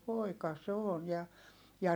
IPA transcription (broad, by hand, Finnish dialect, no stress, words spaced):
poˑikɑ se on jɑ jɑ